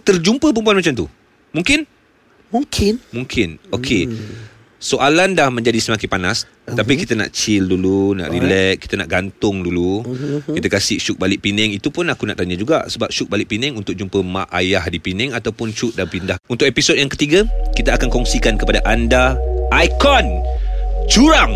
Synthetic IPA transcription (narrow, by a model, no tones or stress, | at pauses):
t̪ərd͡ʒumpəp̬əmp̬uanmat͡ʃamt̪u | muŋkɪn | muŋkʰɪnmũŋkʰɪnokʰe | soʔalandahmə̃ɲd͡ʒadisəmakipanas | t̪apikit̪ana̰ʔt͡ʃɪlduluna̰ʔɾilɛʔ̚kːi̥t̪anaʔɡant̪ʊŋdulukit̪akasɪhʃʊk̚balɪʔpinɛŋit̪upʊnakunaʔt̪aɲãd͡ʒuɡa̰ʔsəbap̚ʃʊk̚balɪʔ̚pinɛŋunt̪ʊk̚d͡ʒumpəmã̰ʔa̰jahdipinɛŋat̪awpʊnt͡ʃuʔ̚dapindahunt̪ʊk̚episod̚jaŋkət̪iɡakit̪aːkankɔŋsikankəpadaʔandaʔːjkɔn | t͡ʃuɾaŋ